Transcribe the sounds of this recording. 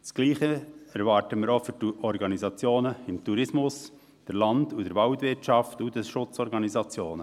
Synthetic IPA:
sɡ̥liːχəɛɾʋɑːɾtəmɪːɾofyɾtuʔɔɾɡɑnizɑt͡sjoːnəɪmtuɾɪsmʊs | d̥əɾlɑndudəɾvʋɑltvɪrt͡ʃɑftudəsʃʊt͡sɔɾɡɑnizɑt͡sjoːnə

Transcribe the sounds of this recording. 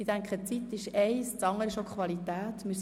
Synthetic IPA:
idæŋkχət͡sit̪ɪʃɛɪst͡sɑŋːəɾɪʃokχʋɑlit̪æːt̪mɪ

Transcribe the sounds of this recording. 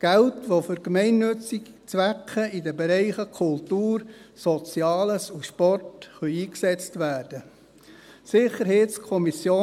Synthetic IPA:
ɡ̥æltʋofʏɾkmɛɪnːʏt͡sik | t͡sʋækχəidəbeɾɛɪχəkʰʊltuːɾsɔt͡sjɑːləsuʃpɔrtχœʏiːksɛt͡stʋæːrd̥ə | sɪχəɾhɛɪtskʰɔmisjoː

